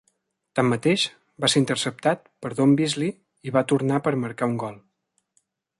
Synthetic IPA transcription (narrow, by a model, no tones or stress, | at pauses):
t̪amːət̪eʃ | baseɾint̪ərsəp̚t̪at̪̚pəɾðombizli | iβat̪uɾnapəɾməɾkauŋɡɔlˠ